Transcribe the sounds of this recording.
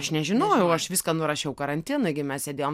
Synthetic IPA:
ɐʃnʲɛʒʲɪnoːjʊʊɐʃʋʲiːskɐnʊɾɐʃʲɛʊkɐɾɐnʲt̪ʲinʊɪɡʲɪmʲɛssʲɛd̪ʲeːjoːm

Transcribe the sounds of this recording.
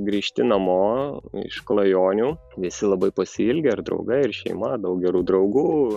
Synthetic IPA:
ɡɾʲiːʃʲt̪ʲɪnɐmoːɪ̰ʃklˠɐjoːnʲuː | ʋʲɪsʲɪlˠɐbɐɪpɐsʲɪɪlʲɡʲeɐɾd̪ɾɐ̰ʊɡɐɪrʃʲɛ̰ɪmɐd̪ɐʊk̚ɡʲɛɾuːd̪ɾɐʊɡuː

